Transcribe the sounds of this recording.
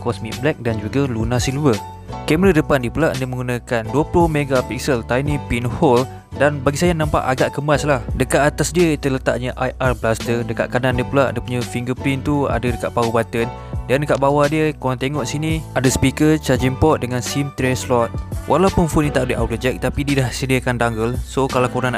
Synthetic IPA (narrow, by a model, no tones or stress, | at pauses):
kɔsmḭk̚blɛk̚dand͡ʒuɡalunasilvər | kɛmɾədəpandipulaʔndəmə̃ŋɡunãkanduəplʊhmeɡapik̚səlt̪ajnĩpinhɔl | danbaɡisajanãmpa̰ʔaɡaʔkəmbaslahdəkaʔat̪asdiəit̪ələt̪a̰ʔɲəʔajʔarblast̪ədəka̰ʔkanandiəpəlaʔa̰dəpuɲə̃fiŋɡəpɾint̪ua̰dədəkaʔpaubat̪ən | dandəkaʔbawadiəkoɾant̪eŋɔʔsiniadəsə̥pikət͡ʃad͡ʒimpɔt̪̚dəŋansimt̪ɾɛslɔt̪̚wʔalawpʊnfuʔnit̪aʔdəʔawdod͡ʒɛk̚t̪apidiədahsədiakandaŋɡəlsokalakoɾaŋ